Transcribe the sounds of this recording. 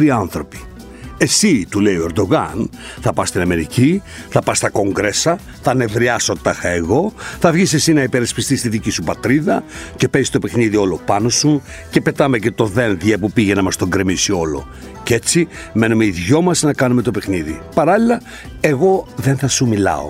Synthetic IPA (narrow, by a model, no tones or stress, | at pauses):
ɾiɐnθɾo̞pi̥ | e̞sit̪uleioe̞ɾd̪o̞ɣɐnθɐpɐst̪inɐme̞ɾici | θɐpɐst̪ɐko̞ŋɡɾe̞sɐ | θɐne̞vɾiɐso̞t̪ɐxɐeɣo̞θɐvʝisesinɐipeɾɐspist̪ist̪iðicisupɐt̪ɾiðɐce̞pe̞zist̪o̞pe̞xniðio̞lo̞pɐno̞su | ce̞pe̞t̪ɐme̞ce̞t̪o̞ðe̞nðjɐpupiʝe̞nɐmɐst̪o̞ŋɡɾe̞misio̞lo̞̰ | ce̞t͡si | me̞numeiðʝo̞mɐsnɐkɐnume̞t̪ope̞xniðḭpɐɾɐlilɐ | e̞ɣo̞ðenθɐsumilɐ̰o̰